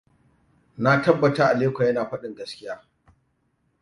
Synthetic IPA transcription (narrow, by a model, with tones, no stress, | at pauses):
na˦tɐ˦bːɐ˨taː˦ʔa˨leː˦kʷa˨jɐ˦naː˨ɸɐ˦ɗɪ˨ŋɡɐ˦skʲɪ˦jaː˦